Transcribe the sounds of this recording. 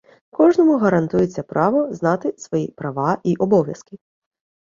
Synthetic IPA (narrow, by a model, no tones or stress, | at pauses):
kɔʐnɔmʊɣɐɾɐnt̪ujet͡sʲːɐpɾɑʋɔznɑt̪ɪsʋɔjipɾɐʋɑʔiʔɔbɔʋjɐ̰skɪ